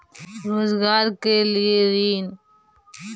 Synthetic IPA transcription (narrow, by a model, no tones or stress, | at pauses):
ɾoːzɡaːɾkelɪeɾiːn